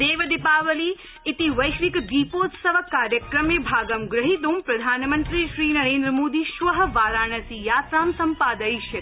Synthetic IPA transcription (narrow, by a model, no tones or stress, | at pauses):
d̪eːʋɐd̪ipaːʋəli | it̪iʋɐjʃʋikd̪iːpoːt̪sɐʋɐkaːɾjəkɾɐmeːbʱaːɡɐmɡɾɐɦit̪̬oːmpɾɐd̪ʱaːnmənt̪ɾiʃɾiːnɐɾẽːnd̪ɾəmoːd̪iʃʋɐɦə̆ʋaːɾaːɳ̃ɐsijaːt̪ɾaːmsɐmpaːd̪ɐjʃɐ